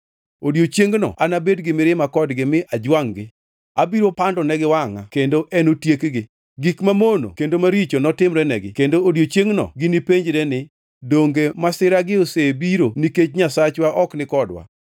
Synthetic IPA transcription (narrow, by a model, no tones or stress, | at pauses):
odjot͡ʃjeŋɡnɔ̰anabedɡɪmɪɾɪmakɔdɡɪmɪʔad͡ʒwaŋɡɪ | abiɾopandɔnɛɡɪwaŋa̰kendoʔɛnotjekɡɪ | ɡikmamono̰kendomaɾit͡ʃonɔtɪmɾɛnɛɡɪkendoːdjot͡ʃeŋɡnɔ̰ɡɪnipeɲd͡ʒɾɛnɪ | doŋɡemasɪɾaɡɪosebiɾoniket͡ʃɲasat͡ʃwaʔɔknɪkɔdwa̰